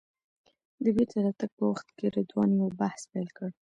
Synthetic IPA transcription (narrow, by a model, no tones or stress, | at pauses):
d̪əbet̪aɾɑt̪aɡ̥̚pəwaxt̪keɾad̪wɑnjobahspajlkəɽ